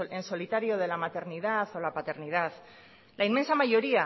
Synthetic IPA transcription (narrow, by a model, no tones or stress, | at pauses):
enso̞lit̪aɾio̞ð̞e̞lamat̪e̞ɾnið̞aθo̞lapat̪e̞ɾnið̞aθ | laime̞nsamaʝo̞ɾia